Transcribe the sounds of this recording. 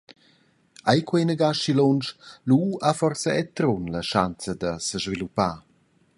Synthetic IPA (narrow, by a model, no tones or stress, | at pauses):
ajkwenəɡaʃilɔnt͡ʃluafɔrsəɛt̪ɾɔnləʃant͡səd̪əsəʒvilupaː